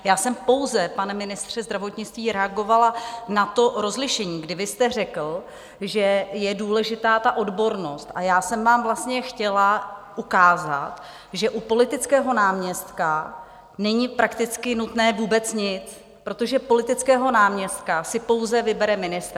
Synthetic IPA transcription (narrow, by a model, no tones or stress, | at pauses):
jaːsɛmpo̞wzɛpanɛmɪnɪst̪r̝̥ɛzd̪ɾavot̪ɲɪt͡st̪viːɾɛaɡo̞valanat̪o̞ɾo̞zlɪʃɛɲiːɡdɪvɪst̪ɛr̝ɛkl̩ | ʒɛjɛduːlɛʒɪt̪aːt̪aʔo̞dbo̞ɾno̞st̪ʔajaːsɛmvaːmvlast̪ɲɛxcɛlaʔukaːza̰t̪ | ʒɛʔupo̞lɪt̪ɪt͡skɛːɦo̞naːmɲɛst̪ka | nɛɲɪpɾakt̪ɪt͡skɪnut̪nɛːvuːbɛt͡sɲɪt͡s | pɾo̞t̪o̞ʒɛpo̞lɪt̪ɪt͡skɛːɦo̞naːmɲɛst̪̚kasɪpo̞wzɛvɪbɛɾɛmɪnɪst̪ɾ